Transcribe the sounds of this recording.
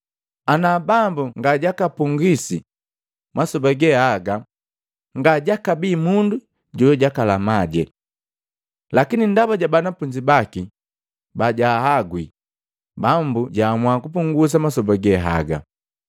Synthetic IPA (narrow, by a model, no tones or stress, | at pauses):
anabambuŋɡaɟakapuŋɡisi | masɔbaɡɛhaɡa | ŋɡaɟakabimundu | ɟɔjɔɟakalamaɟɛ̰ | lakinindabaɟabanapuɲd͡ʒibaki | baɟahaɡwi | bambuɟaːmwakupuŋɡus̬amasɔbaɡɛɦa̰ɡa̰